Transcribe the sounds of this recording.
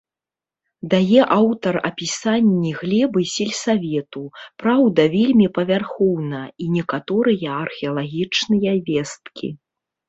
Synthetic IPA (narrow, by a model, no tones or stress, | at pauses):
d̪ajɛʔawt̪ɐrɐ̰pʲisanʲːiɣlʲɛbɨsʲilʲsavʲɛt̪upɾawd̪ɐvʲelʲmʲipɐvʲarxɔwnɐinʲɛkat̪ɔɾɨjɐɐrxʲɛɐlˠaɣʲit͡ʂnɨjɐvʲɛst̪kʲʰḭ